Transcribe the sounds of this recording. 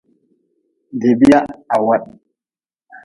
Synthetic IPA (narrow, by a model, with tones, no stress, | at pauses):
de˨bi˦ja˦a˨wa˦ɗ